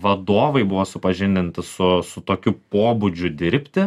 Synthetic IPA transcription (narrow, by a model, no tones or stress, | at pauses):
ʋɐd̪oːʋɐɪbʊʋoːsʊpɐʒʲɪnʲd̪ʲɪnt̪ʲɪsʊsʊt̪oːkʲupoːbʊd͡ʒʲʊd̪ʲɪɾʲpʲt̪ʲɪ